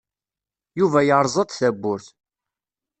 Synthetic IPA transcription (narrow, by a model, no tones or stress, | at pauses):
juvæjəɾˤzˤɑd̪ˤθæbːʊɾθ